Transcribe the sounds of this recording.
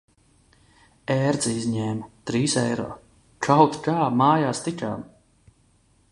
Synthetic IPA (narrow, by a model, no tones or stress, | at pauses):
ɛːɾd̪zizɲɛːmt̪ɾiːsɛjɾɔ̰ː | t͡ʃawt̪kaːmaːjaːst̪it͡ʃʲa̰ːm